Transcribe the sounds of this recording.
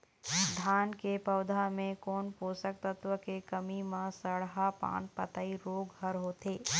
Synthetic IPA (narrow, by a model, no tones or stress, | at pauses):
d̪ʱaːnkepɐʊd̪ʱamẽkoːnpoːsək̚t̪ət̪wəkekəmimãsəɽɦapa̰ːnpət̪aiɾoːɡɦəɾɦoːt̪eː